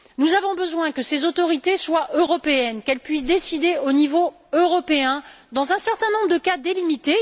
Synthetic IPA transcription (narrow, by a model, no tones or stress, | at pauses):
nuzavɔ̃bəzwɛ̃kəsezot̪ɔʁit̪eswaʔøʁɔpeɛnkɛlpɥis̬d̪esid̪eonivo | øʁɔpeɛ̃ | d̪ɑ̃zɛ̃sɛʁt̪ɛ̃nɔ̃bʁəd̪əkad̪elimit̪e